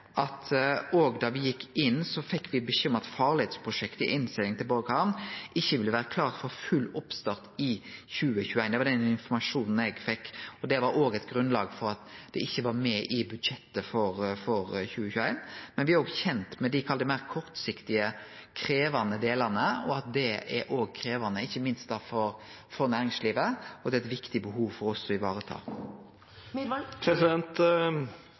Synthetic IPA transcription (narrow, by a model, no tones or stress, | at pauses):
ʔɑt̪oːɡd̪ɑʋɪjɪkːɪnːsɔfɛkːʋɪbəçʏmːəɑt̪fɑːʁlɪheːd̪spʰɾʊʂɛkt̪əɪ̰ʔɪnst̪ɪlɪŋt̪ʰɪlbɔɾkɑnʔɪçːəʋɪlːəʋæːɾəkʰlɑːʁt̪fɔɾfʉlːɔpst̪ɑʁt̪ɪçʉːəçʉːæɪnd̪ɛʋɑd̪ɛnɪnfɔmɑʂuːnn̩ɛɡfɛkːɔd̪ɛʋɑɾoːɡɛt̪ɡɾʉnlɑːɡfɔɾɑt̪d̪ɛɪçːəʋɑɾmɛʔɪbʉd̪ʃɛt̪ːəfɔɾfɔɾçʉːəçʉːæɪnmɛnʋɪɑɾoːɡçɛnt̪mɛd̪ɪkʰɑld̪ɪmæɪɾkʰɔɾt̪sɪkt̪ɪəkʰɾeːʋɑnəd̪eːlɑnəɔɑt̪̚d̪ɛɛɾoːɡkʰɾeːʋɑnəɪçːəmɪnst̪̚d̪ɑfɔɾ | fɔɾnæːɾɪŋsliːʋəɔd̪ɛːɛt̪ʋɪkt̪ɪbəɦuːʋfɔɾɔsːɔɪʋɑːɾət̪ʰɑ̰ː | pʰɾɛsɪd̪ɛnt̪